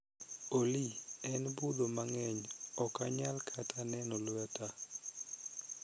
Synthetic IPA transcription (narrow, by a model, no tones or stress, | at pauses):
oliɛnbud̪omaŋɛɲɔkaɲalkʰatʰanɛnɔlwɛta